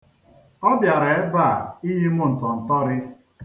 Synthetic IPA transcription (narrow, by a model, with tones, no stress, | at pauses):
ɔ˦bja˨ɾa˨e˦ba˦˨i˦ɦi˦mʊ˦n̩˨tɔ˨n̩˨tɔ˦ɾɪ˦